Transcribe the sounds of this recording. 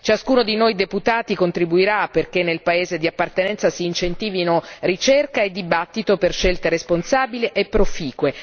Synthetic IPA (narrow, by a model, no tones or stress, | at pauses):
t͡ʃaskuːnod̪inojd̪eput̪aːt̪ikont̪ɾibuiɾapːerk̟enːelpaeːzed̪iapːart̪enɛnt̪sasiːnt͡ʃent̪iːvinorit͡ʃerkaed̪ːibat̪ːit̪operʃelt̪eɾesponsaːbiliʔepːɾofiːkwe